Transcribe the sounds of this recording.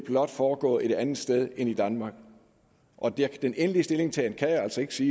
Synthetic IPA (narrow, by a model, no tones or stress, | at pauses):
b̥lɒ̽d̥fɒːɡ̥ɔ̰̽ːe̝d̥ænð̩ˠsd̥eð̞ˠe̝nid̥ænmɑ̈ːɡ̥ | ʔɒ̽d̥eɐkʰd̥enʔenliəsd̥e̝le̝ŋt͡sʰɛːnkʰæjaæl̰sɒ̽e̝ɡ̥əsiː